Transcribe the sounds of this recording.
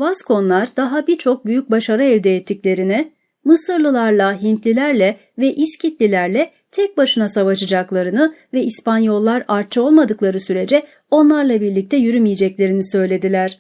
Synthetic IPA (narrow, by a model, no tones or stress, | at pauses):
vazkʰo̞nlˠaɾd̪aɦabiɾt͡ʃʰo̞k̚byjyc̚baʃaɾɯɛvd̪ɛːt̪ʰːiclʲe̞ɾinɪ | mɯsɯɾlˠɯlˠaɾlˠaɦint̪lʲilʲæɾlʲɛ | vɛʔiscʰit̪lʲilʲæɾlʲɛ | t̪ʰɛc̚baʃɯnasavaʃɯd͡ʒaklˠaɾɯnɯvɛispanjo̞lˠːaɾaɾ̚t͡ʃʰːɯo̞lˠmad̪ɯklˠaɾɯsyɾe̞d͡ʒɛ | o̞nlˠaɾlˠabiɾlʲic̚t̪ʰɛjyɾymijed͡ʒɛclʲe̞ɾinisø̞jlʲe̞d̪ilʲæɾ̝̥